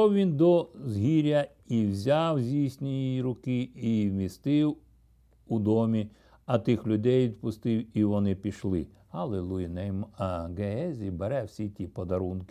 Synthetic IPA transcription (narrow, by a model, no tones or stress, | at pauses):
ɔwʋʲind̪ɔzɦiɾʲɐ | iwzʲawzʲijsʲnʲijiɾʊkɪiwmʲist̪ɪw | ud̪ɔmʲi | ɐt̪ɪxlʲʊd̪ɛjʋʲid̪pʊst̪ɪwiʋɔnɪpʲiʃlˠɪ̰ | hɐlˠelˠujinɛjmɡeɛzʲibeɾɛwsʲitʲipɔd̪ɐɾunkɪ